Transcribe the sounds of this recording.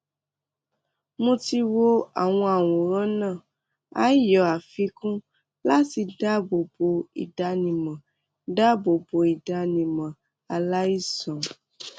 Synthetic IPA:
mũ˦ti˧wo˦a̰˨w̃ɔ̃˧a˨w̃õ˨ɾ̃ã˦nãː˦˨ | a̰˦jɔ˨˦a˨fi˧˦kũ˦ | la˦ti˧da˦bo˨bo˨ḭ˨da˧nĩ˨mã˨ | da˦bo˨bo˨i˨da˧nĩ˨mã˨ | a˨la˦i˦sɔ̃˨

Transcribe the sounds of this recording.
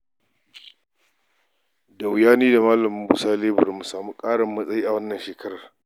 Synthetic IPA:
da˨wɪ˨jaː˦niː˦da˨maː˦lɐ˨m˨˦bu˦saː˦leː˦bʊ˨rmu˨saː˨mu˦kʼaː˦ɽɪ˨mːɐ˦sʼɐ˦jiː˦ʔa˨wɐ˦nːɐ˨nʃeː˨kʰɐ˦ɽaː˨

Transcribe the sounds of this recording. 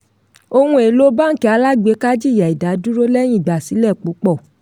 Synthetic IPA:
o˧hũ˧e˨lo˦ba˦ŋ̩˦˨ki˨˧˦a˧la˦ɡ͡be˨˧˦ka˦d͡ʒi˦˨ja˨i˨da˨˦du˦ɾo˦lɛ˦j̃ĩ˦˨ɡ͡ba˨si˨˦lɛ˦˨k͡pu˨˦k͡pɔ˦˨

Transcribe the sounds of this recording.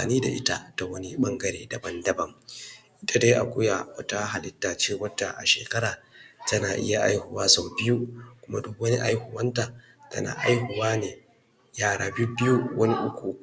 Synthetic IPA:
a̰ː˨niː˦da̰˨ʔɪ̰˦ta̰˦ta˨wɐ˦ni˦ɓɐ˦ŋɡɐ˦ɾḛː˨dɐ˨bɐ˦ndɐ˨bɐ˦mʔɪ˦ta˨daː˦ʔa̰˨kʷʊ˦ja˨wɐ˦ta˦ɦa˨lɪ˦tːaː˨t͡ʃeː˦wɐ˦da̰˨ʔa̰˨ʃḛː˨kɐ˦ɾaː˨tɐ˦naː˨ʔɪ̰˦ja˨ʔa̰˦jhʊ˨waː˦sa˨wbɪ˦ju˦kʷʊ˦ma˦dʊ˦kwɐ˦ni˦ʔa˦jhʊ˨wɐ˦ntaː˨ | tɐ̰˦na̰ː˨ʔa̰˦jhʊ˨waː˦neː˨ | jaː˦˨ɽaː˨bi˦bɪ˦ju˦wʔɐ˦ni˦ʔʊ˦kʷu˨

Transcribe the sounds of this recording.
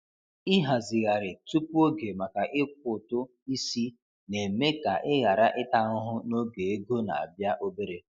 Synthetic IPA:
i˦ɦa˨zɪ˨ɣa˨ɾɪ˨tu˦pu˦o˦ɡe˨ma˨ka˨ʔɪ˦k̚ʷʊ˨tʊ˦ | i˦si˦ | ne˨me˦ka˨ʔɪ˦ɣa˨ɾa˦ʔɪ˦ta˨ʊ˦ɦʊ˦no˦ɡe˨e˦ɡo˦na̰˨a̰˨bja˦ʔo˦be˦ɾe˦

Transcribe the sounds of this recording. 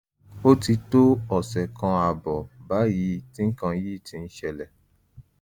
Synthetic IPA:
o˦ti˧to˦ɔ˨sɛ˨kã˧a˧˨bɔ˨ba˨˦ji˨˦ti˦ŋ̩˦kã˧ji˦˨ti˧n̩˦ʃɛ˧lɛ˨

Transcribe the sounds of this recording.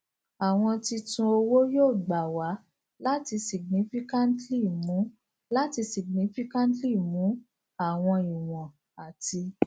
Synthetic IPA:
a˨w̃ɔ̃˧ti˧tũ˧o˧wo˦joː˦˨ɡ͡ba˨wa˨˦ | la˦ti˧si˨ɡ̚nĩ˨˦fi˦kã˦n˦tli˦˨mũ˨˦ | la˦ti˧si˨ɡ̚nĩ˦fi˦kã˦n˦tli˦˨mũ˨˦ | a˦˨w̃ɔ̃˧i˨w̃ɔ̃˨ | a˨tʰi˧

